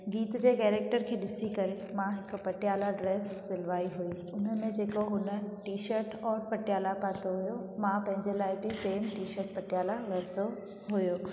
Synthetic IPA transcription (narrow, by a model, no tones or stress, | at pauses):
ɡiːt̪d͡ʑeːkeːɾeːk̚ʈəɾkʰeːɗɪsikɐɾẽ | mãɦɪkʊ̆pɐʈɪjaːlaɖɾeːsːɪlʋaːiɦui | ʊnəmẽd͡ʑeːkoɦʊnə̆ʈiːʃəɾʈɔːɾpɐʈjaːlapaːt̪oɦʊjomãpɐ̃ɦɪ̃ɲd͡ʑelaːɪbɪseːmʈiːʃəɾʈ̚pɐʈɪjaːlalɐɽt̪o | ɦʊjoː